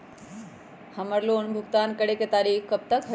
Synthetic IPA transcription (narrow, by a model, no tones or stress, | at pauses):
həməɾloɳbʱuɡt̪ankəɽeket̪aɾikkəp̚t̪əkɦə